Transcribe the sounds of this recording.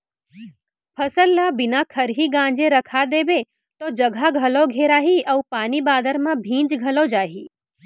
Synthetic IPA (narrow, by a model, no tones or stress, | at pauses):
pʰɐsəlːabɪnakʰɐɾɦiɡãːd͡ʒeɾɐkʰad̪eːbe | t̪od͡ʒɐɡʱaɡʱɐloɡʱeːɾaːɦiʔɐʋpaːnibaːd̪əɾmãbʱĩːd͡ʒɡʱɐlod͡ʒaːɦiː